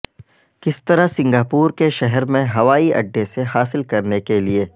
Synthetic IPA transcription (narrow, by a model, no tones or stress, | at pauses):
kɪst̪ɐɾasɪ̃ŋɡaːpuːɾkeʃɛɦɛɾmẽɦɐʋaːiʔɐ̰ɖːeseɦaːsɪlkɐɾnekelieː